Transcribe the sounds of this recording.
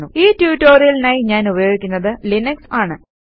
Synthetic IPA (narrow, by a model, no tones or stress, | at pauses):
uiːtjuːtːo̞ːrijɐlnaːjiɲaːnubɐjo̞ːɡikʲːunːɐðɨlinɐksaːɳɨ